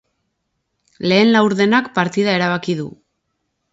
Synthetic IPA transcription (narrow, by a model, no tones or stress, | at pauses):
le̞ːnlawɾðe̞nakpaɾt̪iðae̞ɾaβ̞akiðṵ